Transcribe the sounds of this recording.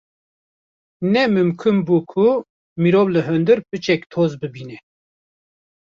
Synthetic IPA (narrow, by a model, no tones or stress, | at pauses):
nɛmɨmkʰɨmbuːkʰʊ | miɾoːvlɨɦɨnd̪ɨɾpɨt͡ʃɛkt̪ʰoːzbɨbiːnɛ